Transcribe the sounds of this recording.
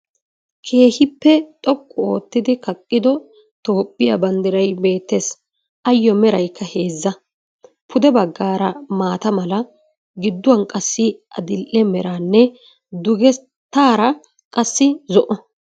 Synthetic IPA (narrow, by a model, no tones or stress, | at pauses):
kʰe̞ːhɪpːɛt̪ʼɔkʼːʊo̞ːt̪ːɪd̪ɪkɐkʼːɪd̪ɔ | t̪o̞ːpʼːɪjɐbɐnd̪ɪɾɐjbe̞ːt̪ːeːs | ʔɐjːɔmɛɾɐjkʰːɐhe̞ːzːɐ | pʰʊd̪ɛbɐɡːaːɾɐmaːt̪ɐmɐlɐ | ɡɪd̪ːʊwɐnkʼɐsːɪʔɐ̰d̪ɪlʔɛmɛɾaːnːɛ | d̪ʊɡɛ | t̪ːaːɾɐ | kʼɐsːɪzɔʔɔ